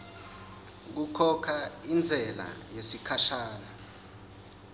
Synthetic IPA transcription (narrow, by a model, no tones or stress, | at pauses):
k̬ukʰɔkʰaind͡zʱɛla̰jesikʰaʃaːla